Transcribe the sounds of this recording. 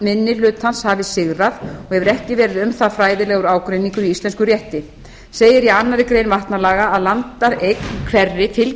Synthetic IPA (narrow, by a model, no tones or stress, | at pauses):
mɪnːɪl̥ʏːt̪hanshavɪsɪɣɾaðɔɣhɛvʏɾɛhcɪvɛːɾɪðʏmθafɾaːjðɪlɛɣʏɾaːwkɾejniŋkʏɾiist̪lɛnskʏɾrjɛht̪ɪ | seːjɪɾianːaðɪkɾeːjnvaht̪nalaːɣaːðlant̪aɾejknkʰvɛrːɪt̪ʰɪl